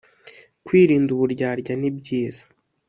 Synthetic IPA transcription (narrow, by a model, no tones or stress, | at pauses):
kwiːɾiːnduβuɾɟaːɾɟanibɟiːz̥ḁ